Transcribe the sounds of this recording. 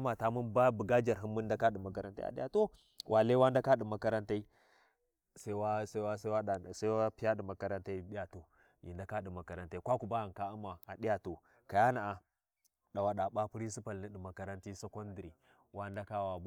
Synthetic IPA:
ma˨ta˦mu˦nba˦bu˨ɡa˦d͡ʒa˨ɾɦi˦nːu˦nda˦ka˦ɗi˨ma˨ka˦ɾa˦nta̰˦a̰˨ɗi˦a̰˨to˦ | wʔa˨le˦wa˦nda˦ka˦ɗi˨ma˨ka˦ɾa˦nta˦i˦ | sa˦wa˦sa˦wa˦sa˦wa˦˨sa˦wa˦pi˦ja˦ɗi˨ma˨ka˦ɾa˦nta˦i˦ɗi˦ja˨to˨ | jḭ˨nda˨˦ka˦ɗi˨ma˨ka˨ɾa˨nta˦i˦kʷa˦ku˨ba˦a˨nka˦u˦ma˨a˨di˦ja˨to˨ | ka˨ja˦na˨ʔa˨ | ɗa˨wa˨ɗa˨ɓa˦pu˦ɾi˦s̬i˦pa˨lni˦ɗi˨ma˨ka˦ɾa˦nti˦so˦ko˦n˦di˨ɾi˨ | wa˦nda˦ka˦wa˨˦

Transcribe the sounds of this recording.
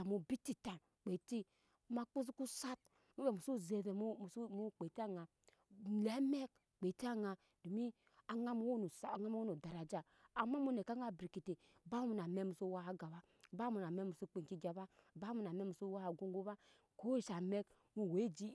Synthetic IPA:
a˨mu˨˦bi˦ti˦ta˨ | k͡pe˨ti˦ | ma˨k͡pu˦si˦ku˦sa˦t̚ | mu˦be˨mu˨su˦˨ze˨ve˨m˦˨smu˦k͡pe˨ti˦a˦ŋa˨ | le˨˦me˦k̚ | k͡pe˨ti˦a˦ŋa˨ | do˨mi˦ | a˨ŋa˦m˦wo˦n˨sŋa˦m˦o˦o˨da˨ɾa˨d͡ʒa˨ | a˨ma˦mu˦ne˨ka˦ŋa˦bɾi˨ki˨te˨ | ba˦mu˨na˨me˦mu˨so˦wa˦a˨ɡa˨βa˦ | ba˦mu˨na˨me˦mu˨so˦k͡pe˨ŋ˨ki˦d͡ʒa˨ba˦ba˦mu˨na˨me˦mu˨so˦wa˦a˨ɡo˦ŋɡu˦βa˦ | ko˦i˦˨ʃa˨me˦k | mu˦˨we˨˦d͡ʒi˦

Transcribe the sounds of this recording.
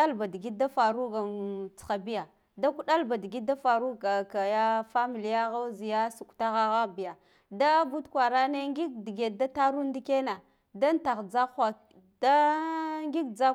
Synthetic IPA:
a˦lba˨di˨ɡi˦da˦fa˨ɾu˦ɡa˨t͡sxa˨bi˦ja˨ | da˦ku˦ɗa˦lba˨di˨ɡi˦da˦fa˨ɾu˦ɡa˨ka˨ja˦fa˦mi˨li˨ja˦ɣa˦zi˨ja˦su˨kta˦ɣa˦ɣa˦bi˨ja˨ | da˦bu˦tkwa˨ɾa˦ne˦ŋɡi˦k̚di˨ɡe˨da˦ta˦ɾu˦n˦di˦ke˦na˨ | da˦nta˨ɣd͡za˦xʷa˨ | da˦ŋɡi˦kd͡za˦

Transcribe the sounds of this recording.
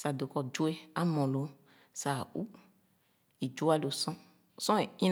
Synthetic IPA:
sa˨do˨kɔ˨d͡ʒo˦e˦a˦mɔ̃˨lo˨˦ | sa˨u˦ | i˨d͡ʒo˦a˦lo˨sɔ̃˦ | sɔ̃˦e˨ĩ˦n

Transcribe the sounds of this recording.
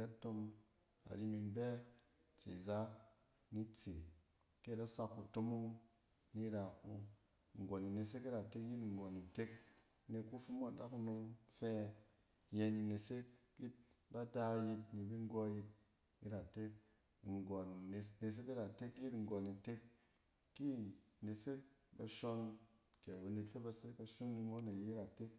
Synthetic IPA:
a˦to˧m | a̰˨ɾi˦mi˧nbɛ˦ | t͡ʃḭ˨za˦ | ni˦t͡si˨ | ke˦˨ɾa˦sa˦kːu˨to˦mu˦ŋ | ni˦ɾa˨ku˦˨ | ŋ̩˨ɡɔ˨ni˨ne˨s̬e˦ki˦ɾa˨te˦kji˦tŋ̩˨ɡɔ˨ni˨te˦k̚ | ne˧ku˦fu˦m˦a˨da˦ku˦nu˧ŋfɛ˦ | je˧ni˧ne˨se˦ | ji˦t̚ | ba˦da˧ji˧tni˨bi˦ŋ˦ɡo˦ji˧t̚ | ḭ˦ɾa˨te˦k | ŋ˨ɡo˨n˨ne˨s̬e˦ki˦ɾa˨te˦ki˦tŋ̩˨ɡo˨ni˨te˦kː | i˦˨ne˨se˦ba˧ʃo˧nke˨ɾba˨ne˧tfe˦ba˧se˦ba˧ʃu˦nni˧mo˦ne˨ji˦ɾa˨te˦k

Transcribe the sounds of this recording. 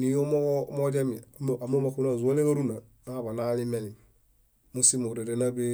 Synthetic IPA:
ni˨jo˦mo˦mo˦d͡ʒe˦mi˨m˦a˨mo˦ma˨ku˦na˦˨zu˨a˦le˦ɡa˦ɾu˦na˨na˦βa˨na˦li˦me˦ni˨ | mu˦si˦mu˨ɾe˨de˨na˦be˦

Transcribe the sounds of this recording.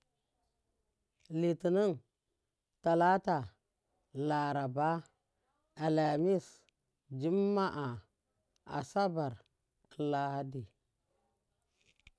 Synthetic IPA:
li˨ti˨nu˦n | ta˨la˦ta˨ | la˨ɾa˨ba˦ | a˨la˨mi˦s | d͡ʒi˦mːa˦ʔa˨ | a̰˨sa˦ba˨ɾ | la˦ha˦di˨

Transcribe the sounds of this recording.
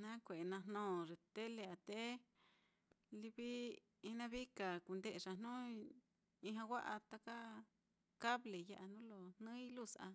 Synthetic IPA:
nã˦kʷe˨ʔnã˧nnõː˦˨ʐe˨t̪e˦le˧a˨t̪e˦ | li˧βi˦ | i˦nã˦βi˦ka˨ku˧˨nd̪e˦ʔʂa˨n̥ũ˦ | i˧ɦã˧wʷa˦ʔa˧t̪a˧ka˦ | ka˦βle˨ja˧ʔa˧nũ˦lo˧n̥nɨ̃˦i˦lu˦˨sa̰˧

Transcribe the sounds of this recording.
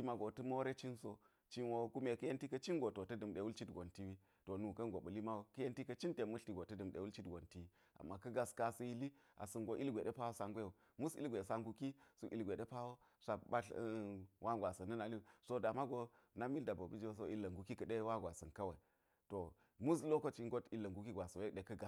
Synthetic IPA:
i˦ma˦ɡo˨tə˦mo˦ɾe˦t͡ʃi˦nso˦ | t͡ʃi˦n˦wo˦ku˦me˨kɐ˦je˦nti˦kɐ˦t͡ʃi˦ŋɡo˨to˨tɐ˦dɨ˨mɗe˨wu˦lt͡ʃi˦tɡo˨nti˦wi˦ | to˨nu˨kɐ˦nɡo˨ɓɐ˨li˦ma˦wo˦kɐ˦je˦nti˦kɐ˦t͡ʃi˦nte˨mu˦ɬti˨ɡo˨tɐ˦dɨ˨mɗḛ˨wu˦lt͡ʃi˦tɡo˨nti˦wi˦ | a̰˨mːa˨kɐ˦ɡa˦ska˦sɐ˦ji˦li˦a̰˨sɨ˨nɡo˦ʔi˦lɡʷe˨ɗe˦pa˦wo˦sa˦ŋɡʷe˦u˨ | mu˦sḭ˦lɡʷe˨sa˦ŋɡu˦ki˦su˦ʔḭ˨˦lɡʷe˨de˦pa˦wo˦ | sa˨ba˦ɬwʔa˦ɡʷa˨sɐ˨nːɨ˦na˨li˦˨so˦da˨ma˦ɡo˦ | na˦mi˦lda˨bo˨bi˦d͡ʒwo˦s̬o˦i˦lːɐ˨ŋɡu˦ki˦kə˨ɗe˦wa˦ɡʷa˨sɐ˨nkɐ˦wa˨i˨ | to˨ | mu˦slo˦ko˦t͡ʃi˦ŋ˦ɡo˦ti˦lːɐ˨ŋɡu˦ki˦ɡʷa˨so˨e˦ɗe˨kɐ˦ɡa˨

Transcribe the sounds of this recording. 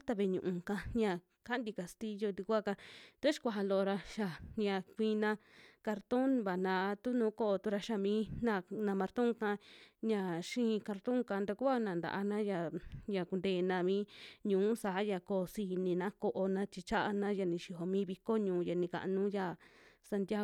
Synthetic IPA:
t̪a˧βe˧ɲṵ̃˧˨ʔũ˧ka˧ɲã˧˨ | ka˦nd̪i˧ka˧st̪i˦jo˧d̪i˧kʷa˦ka˧t̪o˦ʃi̥˧kʷa˧ɦa˧lo˧ʔo˧ɾa˧ʃa˧˨ɲã˧˨kʷĩː˧nã˧ka˧ɾt̪o˦nβa˨nã˧t̪u˦nũː˧˦ko˦ʔo˧t̪u˦˧ɾa˧ʃa˧mĩː˨˦nã˧˨nã˧mã˧ɾt̪õ˦ŋkã˧ɲã˧ʃĩː˦˧ka˧ɾt̪õ˦ŋka˧nd̪a˧ku˦a˦nã˨nd̪a̰˨ʔa˧nã˦ja˧˨ja˨ku˧nd̪eː˧˨nã˧mĩː˦ɲũː˨˦sa˨˦ja˧ko˧˨si˧˨nĩ˧nã˦ko˧ʔo˧nã˧t͡ʃi˧t͡ʃa˦ʔa˧nã˦ja˧˨nĩ˧ʃi˧ɦo˧mĩː˦βi˧ko˦ɲũː˨˦ja˨nĩ˧ka̰˨ʔnũ˦ja˧˨sa˧nt̪ʲja˦

